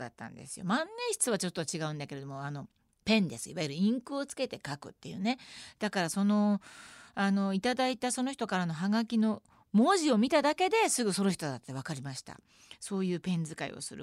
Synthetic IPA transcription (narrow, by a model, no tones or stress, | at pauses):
a̰t̪ːã̰nd̪e̞̰sɨ̥jo̞̰mãnːeɕi̥t͡sɨβ̞at͡ɕo̞t̪ːo̞t͡ɕiɡaɯ̟̃nd̪ake̞ɾe̞d̪o̞mo̞ano̞ | pẽ̞nd̪e̞sɨiβajiɾɯ̟ĩŋkɯo̞t͡sɨ̥ke̞t̪e̞kakɯ̟̰t̪ːe̞jɯ̟ːne̞d̪̥akaɾaso̞no̞ | ano̞it̪ad̪ait̪aso̞noçi̥t̪o̞kaɾano̞ɦaɡakʲino̞ | mo̞ːʑio̞mʲit̪ad̪ake̞d̪e̞sɨɡɯ̟so̞noçi̥t̪od̪at̪ːe̞β̞akaɾʲimaɕi̥t̪a̰ | so̞ːjɯ̟ːpẽ̞nd͡zɨkaḭo̞̰sɨ̰ɾɯ̰